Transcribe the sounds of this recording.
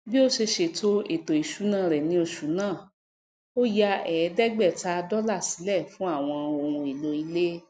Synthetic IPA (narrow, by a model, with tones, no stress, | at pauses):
bi˦o˦ʃe˧ʃe˨to˦e˨to˨i˨ʃu˨˦nã˦˨ɾɛ˨nĩ˧˦o˧ʃu˨˦nãː˦˨ | o˦ja˧ɛ˨˦dɛ˦ɡ͡bɛ˦˨ta˧˦˧dɔ˦la˦˨si̥˨˦lɛ˦˨fũ˨˦a˦˨w̃ɔ̃˧o˧˨ɾũ˧i˨lo˧i˧le˦